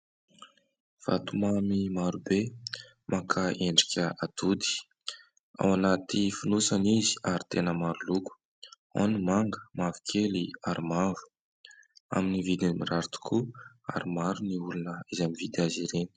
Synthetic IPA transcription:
v̥a̰t̪umamimaɾube | makʰaeɳɖ͡ʐi̥kʲəat̪ud̪i̥ | a̰wanat̪ifunusanizi̥aɾit̪enəmaɾuluku̥ | o̰nimaŋɡəmavikʰeliaɾimavu̥ | a̰minivid̪imiraɾt̪u̥kʰu | a̰ɾimaɾuniulunəizamivid̪aziɾeni̥

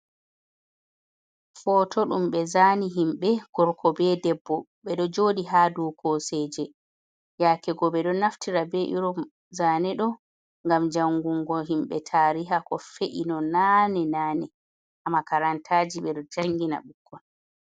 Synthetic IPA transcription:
fɔːtʰɔɗumɓɛzaːniɦimɓɛɡ̥ɔɾkʰɔbɛdɛbːɔ | ɓɛɗɔd͡ʒoɗiɦadɔkʰosɛːd͡ʒɛ | jaːkɛɡɔɓɛɗɔnaftiɾabɛʔiɾɔ | zaːnɛɗɔ | ŋɡamd͡ʒaŋɡuŋɡɔɦimɓɛ̰tʰaːɾiɦakɔfeʔinɔnanɛnaːnɛ | ʔamːakaɾantʰaːd͡ʒiɓɛɗɔd͡ʒaŋɡina̰ɓukʰːɔn

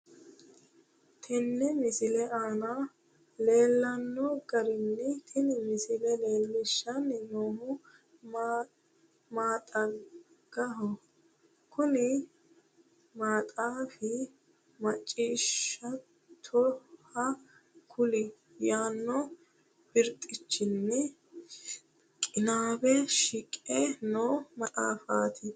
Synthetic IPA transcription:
t̪ʰɛnːɛmɪsɪlɛʔaːna | le̞ːlːɐnːɔɡɐɾɪnːɛt̪ʰɪnɪmɪsɪlɛleːlːɪʃːɐnːɪnoːmʊ | maːt̪ʼɐ | ɡ̥ɐɦɔ | kʊnɪ | maːt̪ʼaːfɪ | mɐt͡ʃʼːiːʃɐ | t̪ʰɔhɐ | kʰʊlɪ | jaːnːɔ | b̥ɪɾt̪ʼːɪt͡ʃːɪnːɛ | kʼɪnaːbɛʃɪkʼɛnoːmɐt̪ʼaːfaːt̪ʰɪ

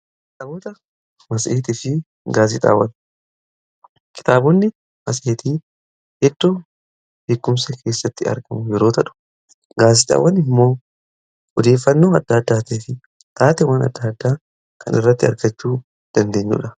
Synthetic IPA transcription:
t̪ɐbot̪ɐ | mɐsʔeːt̪ɪfɪ | ɡaːs̬ɪt̪ʼa̰ːwɐn | kɪ̥t̪aːbʊnːɪ | mɐs̬ʔeːt̪iː | hɛd̪ːo | beːkːʊmsɛkʰe̞ːsːɐt̪ːɪɐ̰ɾɡɐmʊjɛɾo̞ːt̪ɐᶑʊ̥ | ɡaːs̬ɪt̪ʼa̰ːwɐnɪmːo̞ː | ʔɔd̪e̞ːfːɐnːo̞ːɐd̪ːaːd̪ːaːt̪eːfɪ | t̪aːt̪ɛwɐnɐ̰d̪ːaːd̪ːaː | kʰɐ̰nɪ̰rːɐt̪ːɪɐɾɡɐt͡ʃːuː | d̪̥ɐnd̪e̞ːɲːṵᶑɐ

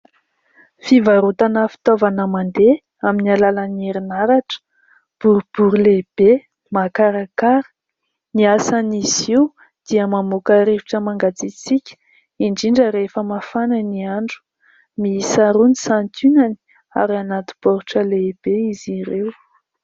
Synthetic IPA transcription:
fivaɾut̪anəfi̥t̪ovanəmand̪e | aminialalanieɾinaɾaʈ͡ʂə̥ | b̥uɾub̥uɾileb̥e | makaɾakaɾə̥ | niasaniziw | d̪̥iəmamokəɾevuʈ͡ʂəmaŋɡat͡sit͡sikʲə̥ | iɳɖ͡ʐiɳɖ͡ʐəɾefəmafananiaɳɖ͡ʐu̥ | miisaɾunisant̪unani̥ | a̰ɾianat̪i̥b̥oɾuʈ͡ʂəleb̥eiziɾew

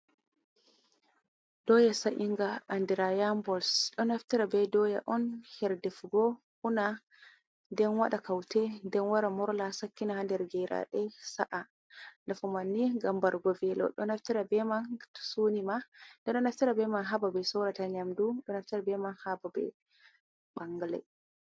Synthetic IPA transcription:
d̥ɔjasaʔiŋɡaʔːndiɾajambɔlsɗɔnaftiɾabɛdɔjaʔɔnhɛɾdɛfɡɔ | una | ndɛnwaɗakawtɛndɛnwaɾamɔɾlasakːinahandɛɾɡɛɾa̰ɗɛsaʔa | nafɔmanːiɡambaɾɡɔvɛlɔ̰ɗɔ̰naftiɾabɛmansunimandɛɗɔnaftiɾabɛmanɦababɛsɔɾataɲamduɗɔnaftiɾabɛmanhababɛ̰ | ɓaŋɡalɛ̰

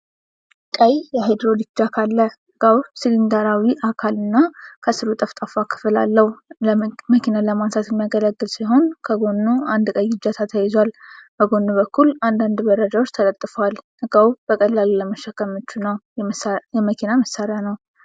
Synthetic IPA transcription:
kʼəjjɛɦed̪ɾo̞d̪it͡ʃːakʰalːəhɨɡ̥awsɨlind̪aɾawiʔakʰalɨnːakʰəsɨɾut̪ʼəft̪ʼafakʰɨ̥fɨla̰lːəhlməkʰinaləmansʰat̪jɛmːijaɡələɡːɨlsiɦo̞nkʰəɡo̞nːuand̪kʼəjɡɨd͡ʒat̪ʰat̪ʰəjɛzwalb̥əɡo̞nːuβəkːuland̪and̪bəɾəd͡ʒawot͡ʃːt̪ʰələt̪ʼːfəwalhɨɡawb̥əkʼəlːalləməʃːəkːəmot͡ʃːunəw | jɛməkʰinaməsːaɾjanəw

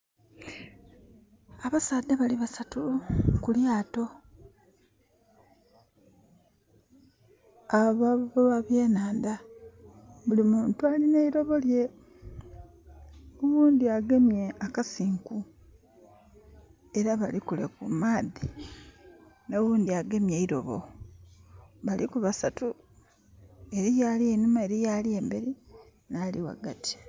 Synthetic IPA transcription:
aβasaːd̪eβaliβasatukuljaːto̞ | aβaβoβaβje̞ːnaːnda | βulimuːntualineiɾo̞βo̞lje̞ | uwuːndiaɡe̞mje̞akasiːŋku | e̞ɾaβalikulekṵmaːði | noβuːndiaɡe̞mjeiɾo̞βo̰ | βalikuβasatu | e̞ɾijalienumaeɾijalie̞ːmbeɾi | naːliwa̰ɡati̥

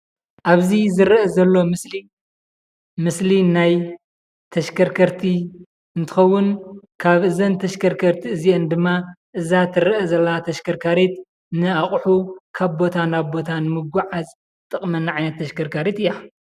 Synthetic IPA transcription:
ʔaβzizɨɾʔɐzɐlːo̞mɨsli | mɨslinaj | t̪ʰɐʃkʰɐɾkʰɐɾt̪ʰi | ɨnt̪ʰɨ̥xɐwːʊnkʰaβʔɨzɐnt̪ʰɐʃkʰɐɾkʰɐɾt̪ʰiɨziend̪ɨmːaʔɨzat̪ʰɨɾɐʔɐzɐlːat̪ʰɐʃkɐɾkʰaɾet̪ | nɨaχʼħukʰaβbo̞t̪ʰanaβbo̞t̪ʰanɨmɨɡʷaʕaz | t̪ʼɨχʼmɐnaʕajnɐt̪ʰːɐʃkɐɾkʰaɾet̪ɨjːa

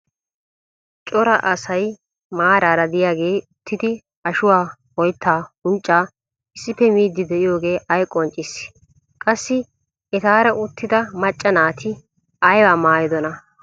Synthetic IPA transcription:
t͡ʃʼɔɾɐ̰ʔɐsɐj | maːɾaːɾɐd̪ɪjaːɡe̞ːʊt̪ʰːɪd̪ɪ | ɐʃʊwaːwɔjt̪ːaːʊnt͡ʃʼːaː | ɪsːɪpːɛmiːd̪ːɪd̪ɛʔɪjo̞ːɡe̞ːʔɐjkʼɔnt͡ʃʼːɪs | kʼɐsːɪ | ɛt̪aːɾɐʔʊt̪ːɪd̪ɐmɐt͡ʃʼːɐnaːt̪ʰɪ | ɐjwaːmaːjɪd̪ɔnɐ

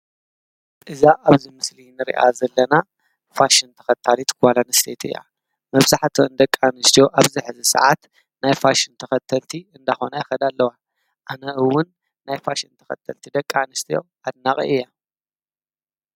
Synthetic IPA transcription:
ʔɨzaʔaβzimɨslinɨɾḭʔa̰zɐlːɐna | faʃint̪ʰɐ̥xɐt̪ʰalit̪kʰwalanɨst̪ʰet̪ʰɨ̰ja̰ | mɐβzaħt̪ʰoɨnd̪ɐkʼːanɨst̪ʰijo̞ʔaβziħɨzisɐ̰ʕat̪ | najfaʃint̪ʰɐxɐt̪ʰːɐlt̪ʰiɨnd̪axo̞najɐxɐd̪alːɐwa | ʔanɐʔɨwːʊnː | ajfaʃint̪ʰɐ̥xɐ̰t̪ʰːɐlt̪ʰid̪ɐkʼːanɨst̪ʰijo̞̰ | ad̪̚naqʼḭʔɨjːa

